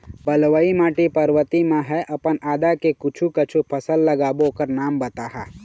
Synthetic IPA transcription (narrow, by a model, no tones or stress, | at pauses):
bəlʋəimaːʈipəɾʋət̪imẽɦɛʔɐpənaːd̪akekʊt͡ʃʰukət͡ʃʰupʰəsəlːəɡaːbokəɾnaːmbət̪aːɦaː